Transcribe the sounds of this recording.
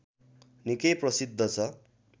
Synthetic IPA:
nikʌjprʌsid̪ʱːʌt͡sʰʌ

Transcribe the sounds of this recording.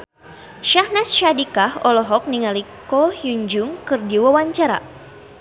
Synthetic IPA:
ʃahnasʃadikahɔlɔɦɔk̚niŋalikɔhjuɲd͡ʒʊŋkɨrdiwawaɲt͡ʃaɾa̰

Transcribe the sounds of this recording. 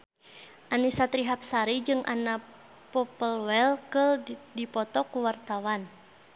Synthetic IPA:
ʔanisat̪ɾiɦap̚saɾid͡ʒɨŋʔa̰na | pɔpəlwɛlkəldipɔt̪ɔkuwart̪awan

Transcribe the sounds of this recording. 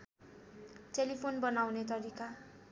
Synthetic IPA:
telipʰonbʌnawnet̪ʌɾika

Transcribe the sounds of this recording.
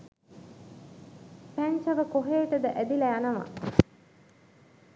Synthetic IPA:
pæɲt͡ʃɐʋəkoɦeːʈəd̪əʔæd̪ilæanɐʋa̰

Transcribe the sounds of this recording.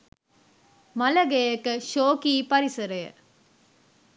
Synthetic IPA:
mɐlɐɡejekəʃoːkiːpɐɾisɐɾɐjə̰

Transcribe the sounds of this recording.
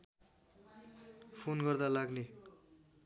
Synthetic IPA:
pʰonɡʌrd̪alaɡne

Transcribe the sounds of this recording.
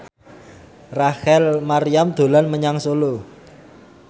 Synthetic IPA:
rahɛlmaɾijamd̪̥o̤lanməɲaŋsolo

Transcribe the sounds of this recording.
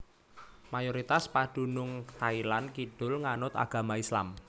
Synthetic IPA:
majoɾit̪aspaɖ̥ṳnʊŋt̪ailankiɖ̥ʊ̤lŋanʊt̪a̰ɡ̥a̤maisla̰m

